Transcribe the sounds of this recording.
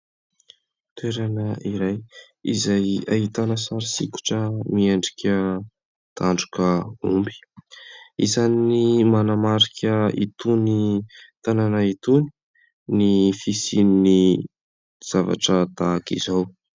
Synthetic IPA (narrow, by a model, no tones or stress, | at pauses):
t̪weɾanəʔiɾaj | izajaɦit̪anəsaɾisiku̥ʈ͡ʂəmieɳɖ͡ʐikʲə | t̪aɳɖ͡ʐukəumbi̥ | izaninimanamaɾikʰʲəḭt̪unit̪ananait̪uni̥ | nifisinini | z̥ava̰ʈ͡ʂət̪aːkizaw